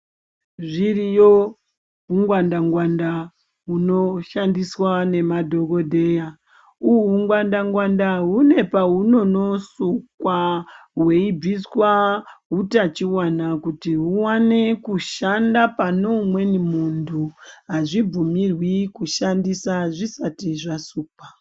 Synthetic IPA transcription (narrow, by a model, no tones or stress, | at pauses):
ʐirijo | ɦuŋɡwandaŋɡwanda | ɦuno̞ʃandiswane̞madʱo̞ko̞dʱe̞ja | uuŋɡwandaŋɡwandaɦune̞paɦuno̞no̞sukwaɦwe̞ib͡viswaɦutat͡ʃiwanakutiɦuwanekuʃandapanomwe̞nimundʰʱuɦaʐib͡vumirwikuʃandisaʐisatiʐasuːpa